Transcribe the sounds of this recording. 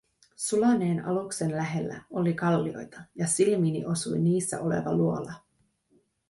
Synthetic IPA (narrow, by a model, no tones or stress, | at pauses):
sulɑne̞ːnɑ̰lukse̞nlæɦe̞lːæ̰o̞likɑlːio̞̰jt̪ɑjɑsilmiːnḭʔo̞sṵjniːsːæ̰ʔo̞le̞̰ʋɑ̰luolɑ